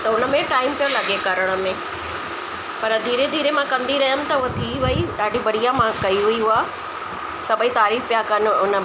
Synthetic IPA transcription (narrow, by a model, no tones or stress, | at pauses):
t̪ɐʊnə̆mẽʈaːɪmpijõlɐɠekɐɾəɽ̃ə̆mẽ | pɐɾd̪ʱiːɾed̪ʱiːɾemãkɐ̃nd̪iɾɐɦəmɪ̆t̪ɐʊɦet̪ʰiʋɐiɗaːɖʱibɐɽijamãkɐiɦʊiɦʊaː | sɐbʱəit̪aːɾiːfpijakɐnʊnə